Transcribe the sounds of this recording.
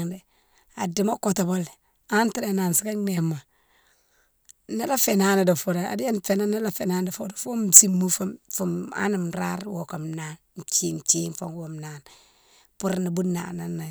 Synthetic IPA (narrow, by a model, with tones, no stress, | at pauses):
ŋde˨ | a˨di˨ma˦ko˨to˨bo˦l | a˦n˦ti˦ɾe˨na˨nsi˦ka˦ne˨ma˨˦ | ne˦la˦fe˨na˦ni˨do˨fo˦ɾa˨a̰˨di˦a˦nfe˨na˦na˦la˦fe˨na˦n˦do˨fo˦do˨fo˦msi˦mːu˦fo˦mfu˨ma̰˦ni˨mɾa̰˦ɾwo˨ka˨mna˦n˨t͡ʃi˦n˨t͡ʃi˦nfo˦ŋwo˨mna˦n | pu˦ɾni˨bu˦na̰˨na˨na˨